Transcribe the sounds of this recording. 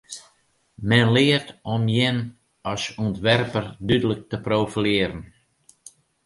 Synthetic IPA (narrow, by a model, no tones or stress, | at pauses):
mɛnlɪːərtɔmjɪn | ɔsuntʋɛrpərdydələk̚təprowfilɪːəɾən